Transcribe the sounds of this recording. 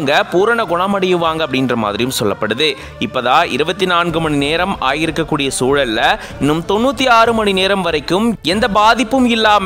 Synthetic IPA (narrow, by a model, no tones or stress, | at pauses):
ŋɡɐpuːɾɐɳɐɡɔɳɐmɐɽɪjɯʋːaːŋɡɐpːɐɽɪndrɐma̰ːðɪɾɪjɯmsɔlːɐpːɐɽɯðɯ | ɪpːɐːðaːɪ̰ɾɯbɐt̪ːinaːnɡɯmɐɳineːɾɐma̰ːjɪɾɯkːɐkːuːɽɪjɐsuːɭɐlːɐ | ɪnːɯmt̪ɔnːuːt̪ːiaːɾɯmɐɳineːɾɐmʋɐɾɐɪkːɯmɛnd̪ɐbaːðɪpːɯmɪlːaːm